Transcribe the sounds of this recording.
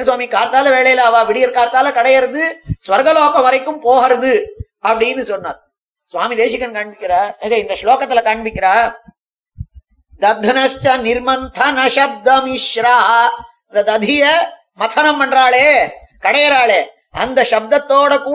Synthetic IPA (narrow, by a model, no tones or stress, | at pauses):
nɐsʋaːmikaːɾt̪aːlɐʋeːɭɐjlaːʋaːʋiɽijɐɾkaːɾt̪aːlɐkɐɽɐjɐɾɐd̪ɯsʋɐɾɡɐloːkɐmɐɾɐjkːumpoːɦɐɾɐd̪ɯ | ɐpɐɽinusonːat̪̚ | sʋaːmid̪eːʃikɐnkaːɳbikːiɾaːɐsɐint̪ɐʃloːkɐt̪ɐlːɐkaːɳbikːiɾaː | d̪ɐd̪ʱɐnɐʃt͡ʃɐniɾmɐnt̪ʰɐnɐʃɐb̚d̪ɐmiʃɾaːɦɐ | d̪ɐd̪ɐd̪ʱijɐ | mɐt̪ʰɐnɐmːɐɳɾaːɭeːkɐɽɐjɐɾaːɭe | ɐ̰nd̪ɐʃɐb̚d̪ɐt̪ːoːɽɐkuː